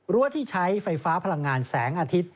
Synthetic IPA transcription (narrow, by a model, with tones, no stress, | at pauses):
ɾu˦˥ət̪ʰiː˥˩t͡ɕʰa˦˥jfa˧jfaː˦˥pʰa˧la˧ŋːaː˧nsɛː˩˦ŋʔaː˧t̪ʰi˦˥t̪̚